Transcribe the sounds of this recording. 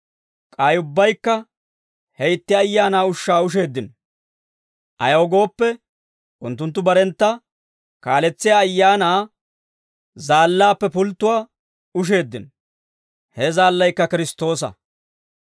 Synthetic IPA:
kʼɐjʊbːɐjkːɐ | hɛjɪt̪ːɪɐjːaːnaːʊʃːaːʊʃ̬e̞ːd̪ːɪn | ʔɐ̰jɐɔɡo̞ːpːɛ | ʔʊnt̪ːʊnt̪ːʊbɐɾɛnt̪ːɐ | kaːlɛt͡sːɪjaːjːaːnaː | zaːlːaːpːɛpʊlt̪ːʊwaː | ʊʃ̬e̞ːd̪ːɪn | hɛzaːlːɐjkːɐkɪɾɪst̪ːo̞ːsɐ̰

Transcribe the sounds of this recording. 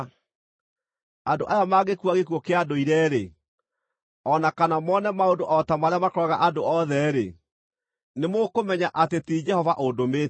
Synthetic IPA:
andoʔajamaɣekwaɣekuɔkeadoiɾɛɾe | ɔnakanamɔnɛmaondoʔɔtamaɾeamakɾɔɣaʔadoɔðɛɾḛ | nemokomɛɲaʔatetiːd͡ʒɛhɔvaʔondomeː

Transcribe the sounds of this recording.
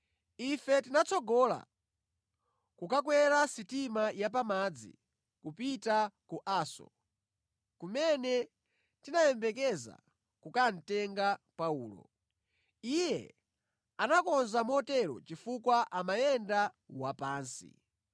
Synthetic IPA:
ifɛtinat͡sʰɔɡɔla̰ | kukakwɛɾasitimajap̬amad͡zḭ | kupitakuʔaːsɔ̰ | kumɛnɛ | tinajɛmbɛk̬ɛza̰ | kukan̩tɛŋɡapauːlɔ̰ | ijɛ̰ | anakɔnzamɔtɛɾɔ̰t͡ʃifukwaʔamajɛnda | wapaːnsḭ

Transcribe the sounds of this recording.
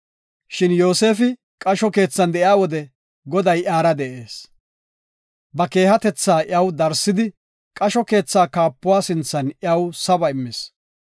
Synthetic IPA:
ʃɪnjo̞ːse̞ːfɪ | kʼɐʃɔke̞ːt͡sːɐnd̪ɛʔɪjaːwɔd̪ɛ | ɡɔd̪ɐjʔaːɾɐd̪ɛʔe̞ːs | bɐke̞ːhɐt̪ɛt͡sːaːʔjɐwd̪ɐɾsːɪd̪ɪ | kʼɐʃɔke̞ːt͡sːaːkaːpːʊwaːsɪnt͡sːɐnɐwsɐbɐɪmːɪs

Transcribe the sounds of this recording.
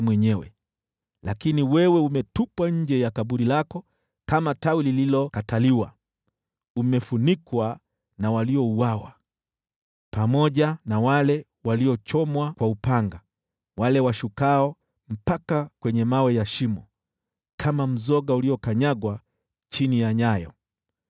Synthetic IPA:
mwɛɲɛwɛ̰ | lakiniwɛwɛumɛtupwaɲ̩d͡ʒɛjakaɓuɾilakɔ | kamatawilililɔkataliwa̰ | umɛfunikwa | nawaliɔuwawa̰ | pamɔʄanawalɛ | waliɔt͡ʃɔmwakwaupaŋɡa | walɛwaʃukaɔ | m̩pakakwɛɲɛmawɛjaʃimɔ | kʰamam̩zɔɠauliɔkaɲaɡwa | t͡ʃinijaɲajɔ̰

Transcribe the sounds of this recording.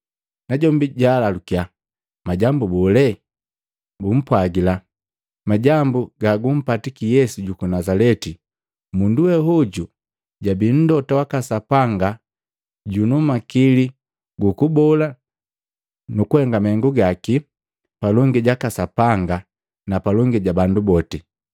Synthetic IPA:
naɟɔmbiɟaːlalukia | maɟambubɔlɛ | bum̩pwaɡila | maɟambuɡaɡum̩patikijɛsuɟukunazalɛti | munduwɛɦuɟu | ɟabin̩dɔtawakasapaŋɡa | ɟunumakili | ɡukubɔla | nukuhɛŋɡamahɛŋɡuɡaki | palɔŋɡiɟakasapaŋɡa | napalɔŋɡiɟabandubɔti

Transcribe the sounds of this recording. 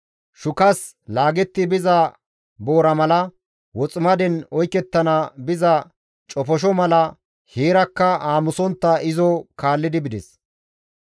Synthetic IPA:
ʃʊkɐs | laːɡɛt̪ːɪbɪzɐ | bo̞ːɾɐmɐlɐ | wɔt͡sʼɪmɐd̪ɛnɔjkːɛt̪ːɐnɐbɪzɐ | t͡ʃʼɔfɔʃ̬ɔmɐlɐ | heːɾɐkːɐaːmʊsɔnt̪ːɐʔɪzɔkaːlːɪd̪ɪbɪd̪ɛs

